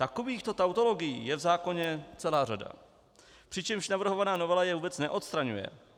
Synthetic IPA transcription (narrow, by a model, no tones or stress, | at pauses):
t̪akoviːxt̪ot̪awt̪o̞lo̞ɡɪjiːjɛvzaːko̞ɲɛt͡sɛlaːrada̰ | pr̥ɪt͡ʃɛmʃnavr̩ɦovanaːnovɛlajɛvuːbɛt͡snɛʔo̞t̪st̪ɾaɲṵjɛ̰